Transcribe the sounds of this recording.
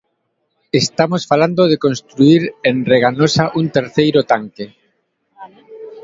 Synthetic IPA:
est̪amosfaland̪oðekonst̪ɾuiɾenreɣanosaʔunt̪eɾθejɾot̪aŋke

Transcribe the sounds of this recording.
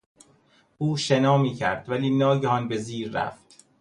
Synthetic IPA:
ʔuːʃenɒːmiːcʰæɾd̪̥væliːnɒːɟehɒnbe̞ziːɾːæ̰ft̪

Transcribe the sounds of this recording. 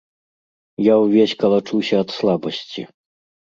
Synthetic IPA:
jawvʲesʲkɐlˠat͡ʂuwsʲɐːt̪slˠabɐsʲt͡sʲḭ

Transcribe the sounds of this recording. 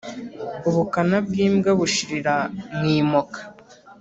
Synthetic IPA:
uβukanab̚ɡiːmɡaβuʃiɾiɾamŋiːmokḁ

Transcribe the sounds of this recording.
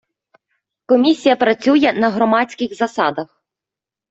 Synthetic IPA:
kɔmʲisʲijɐpɾɐt͡sʲujɛnɐɦɾɔmɑt͡sʲkɪxzɐsɑd̪ɐx

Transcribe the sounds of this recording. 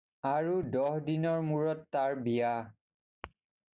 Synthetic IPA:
aɹudɔhdinɔɹmuɹɔtːaɹbija

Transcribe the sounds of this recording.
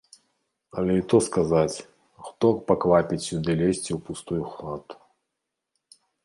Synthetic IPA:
ɐlʲɛit̪ɔskazat͡sʲ | xt̪ɔkpaklapʲit͡sʲːud̪ɛlʲesʲt͡sʲiwpust̪ujuxlat̪u̥

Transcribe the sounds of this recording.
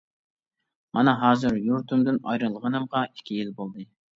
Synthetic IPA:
mɑnɑɦɑːzɨɾjuɾt̪ʰumd̪ɨnɑ̰jɾɨlˠʁənɨmʁɑi̥kʲʰːijilbolˠd̪ɨ

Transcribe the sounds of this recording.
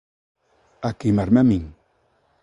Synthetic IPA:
akimaɾmamiŋ

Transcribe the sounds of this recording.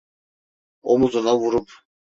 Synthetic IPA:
omuzunɑvuɾup

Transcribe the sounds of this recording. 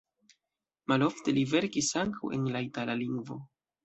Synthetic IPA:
malo̞fte̞live̞ɾkisaŋkawe̞̰nlaitalaliŋɡvo̞

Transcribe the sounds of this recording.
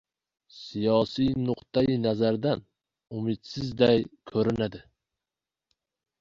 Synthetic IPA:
sijɒsijnʊqt̪ʰajɪnazaɾd̪an | ʊmɪt̪sɪzd̪ajkʰɵɾɪnad̪ɪ

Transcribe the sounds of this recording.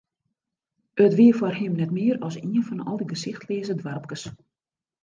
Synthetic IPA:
ətʋiəfwɔrhɪmnɛtmɪəɾɔsiənfɔnɔ̰lˠdəɡəsɪxtleːzədwarp̚kəs

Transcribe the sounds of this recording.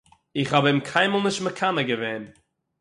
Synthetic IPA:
ɪχhabɪmkʰaɪməlˠnɪʃtməkʰanəɡəveːn

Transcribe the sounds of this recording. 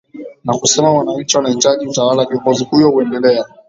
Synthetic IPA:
nakusɛmawanaɲ̩t͡ʃiwanait͡ʃaʄiutawalaʄiɔŋɡɔzihujɔhuɛndɛlɛa

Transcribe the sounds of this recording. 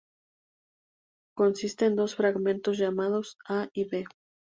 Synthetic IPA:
ko̞nsist̪eːnd̪o̞sfɾaɣmẽnt̪o̞z̬ʝamað̞o̞saiβe̞

